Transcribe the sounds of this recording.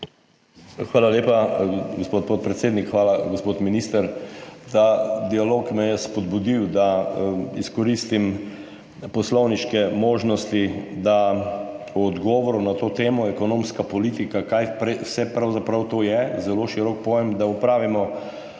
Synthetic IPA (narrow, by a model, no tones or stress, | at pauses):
xʋaːlaleːpaɡospot̪̚pot̪̚pɾɛt̪seːd̪nikxʋaːlaɡospot̪minist̪əɾt̪ad̪ialoːkmɛjɛspɔd̪bud̪iwd̪aiskɔɾist̪im | pɔslɔwniʃkɛmoːʒnɔst̪id̪a | ɔd̪ɡɔːʋɔɾunat̪oːt̪eːmɔɛkɔnõmskapɔliːt̪ikakajpɾɛwsɛpɾawzapɾawt̪oːjɛzɛloʃiɾɔk̚poʋemd̪aupɾaːʋimɔ